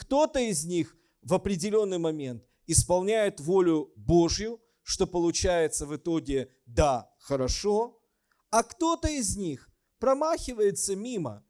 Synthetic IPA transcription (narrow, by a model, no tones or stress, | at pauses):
kt̪o̞t̪əɪzʲnʲix | vɐpɾʲɪdʲɪlʲo̞nːɨjmɐmʲe̞nt̪ | ɪspɐlˠnʲæjɪt̪volʲʊboʐjʊ | ʂt̪o̞pəlˠʊt͡ɕæjɪt̪səvɨt̪o̞ɡʲɪ | d̪a | xəɾɐʂo̞ | ɐkt̪o̞t̪əɪzʲnʲix | pɾɐmaxʲɪvəjɪt̪səmʲimə̰